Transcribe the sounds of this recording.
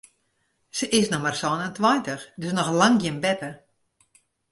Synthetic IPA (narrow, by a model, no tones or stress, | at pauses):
səʔɪsnɔmarsɔnəntwajntəxdøsnɔxlaŋɡjɪnbɛpə